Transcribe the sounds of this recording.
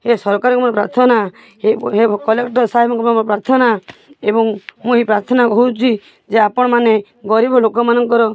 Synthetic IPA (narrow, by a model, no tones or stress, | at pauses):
hesɔɾɔkaɾɔŋkɔmanepɾaɾt̪ʰɔna | heɦekɔlekʈɔsaɦibɔŋkɔmmpɾaɾt̪ʰɔnaebɔŋmũɦepɾaɾt̪ʰɔnakɔɦut͡ʃʰi | d͡ʒeapɔɽ̃ɔmane | ɡɔɾibʱɔlokɔmanɔŋkɔɾɔ